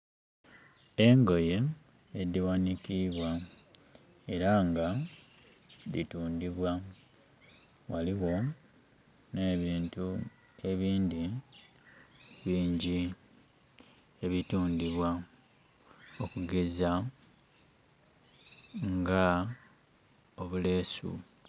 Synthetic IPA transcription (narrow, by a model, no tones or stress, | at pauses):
e̞ŋɡo̞je̞ː | d̪iwanikiβwa | e̞ɾaŋɡa | lḭtuːndiβwa | waliɣo̞ | ne̞ːβiːntu | e̞βiːnd̪i | βiːɲɟi | e̞βituːndiβwa | o̞kuɡe̞za | ŋɡa | o̞βule̞ːsṵ